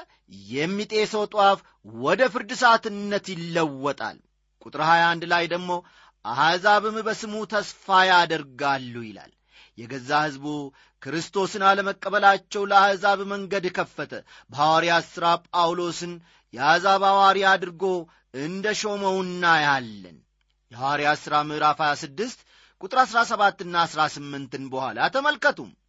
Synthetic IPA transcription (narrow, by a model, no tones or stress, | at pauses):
jɛmːit̪ʼe̞səwt̪ʼwaf | wɔd̪əfɨɾd̪ɨsat̪ɨnːət̪jɪlːəwːɔt̪ʼa̰l | kʼut̪ʼɾhajand̪lajd̪əɡmo̞ | ʔahazaβɨmbəsɨmut̪ʰəsfajad̪əɾɡalːujɪla̰l | jɛɡəzːahɨzbu | kɾɨst̪ʰo̞sɨnaləməkʼːəβəlat͡ʃːɛwləahzaβməŋɡəd̪kʰəfːət̪ʰə | bəhawaɾiasɨɾapʼawlo̞sɨn | jɛazaβawaɾiad̪ɾɡo̞ | ɨnd̪əʃo̞məwnːajalːə̰n | jɛhawaɾiasɨɾamɨɾafajasɨd̪ːɨst̪ | kʼut̪ʼɨɾasɾasəβat̪ːɨnːaːsɾasɨmːɨnt̪ɨnbəhʷa̰lat̪ʰəməlkət̪ʰum